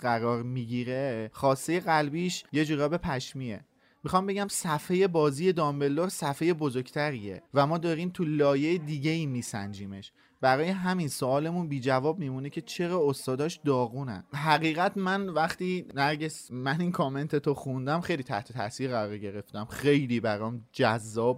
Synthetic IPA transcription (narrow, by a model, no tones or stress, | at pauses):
ɢæɾɒːɾmiːɟiɾeχɒːst̪eje̞ɣælbiːʃje̞d͡ʒuːɾɒːbe̞pʰæʃmiḛ | mixɒmbe̞ɟæmsæfe̞je̞bɒːziːje̞d̪ɒːmbe̞lːoɾsæfe̞je̞bo̞zoɾɡt̪ʰæɾiḛvæmɒːd̪ɒːɾiːmt̪ʰulɒːje̞ed̪iːɟe̞iːmiːsæ̰nd͡ʒiːme̞̰ʃ | b̥æɾɒːje̞ɦæminsoɒːle̞munbiːd͡ʒævɒːb̚miːmuːnecʰe̞t͡ʃʰe̞ɾɒːost̪ɒːd̪ɒːʃd̪ɒːɣuːnæ̰nɦæɣiːɣæt̪mænvæχt̪iːnæɾɟesmæninkʰome̞nt̪ʰet̪ʰoxund̪æmxe̞jliːt̪ʰæ̰ht̪ʰet̪ʰæ̰siːɾɣæɾɒɾɟe̞ɾe̞ft̪æmxe̞jliːbæɾɒːmd͡ʒæzːɒːb̥̚